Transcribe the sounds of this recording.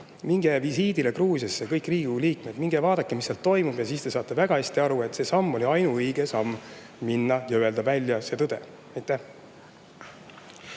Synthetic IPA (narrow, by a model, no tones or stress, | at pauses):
miŋɡ̥evisiːd̪ilekruːsjɑsːekɤjkːriːɡuliːkme̞d̪̥miŋɡ̥evɑːd̪̥ɑkːemisːelt̪ːo̞jmub̥jɑsist̪e̞sɑːt̪ːˑe̞væɡ̥ɑhesʲt̪iɑɾue̞t̪se̞sɑmːo̞liɑjnuɤjɡesɑmː | minːɑjɑyeld̪ɑvælʲjɑse̞ːt̪ɤd̪̥e̞̰ | ɑjt̪ːˑæh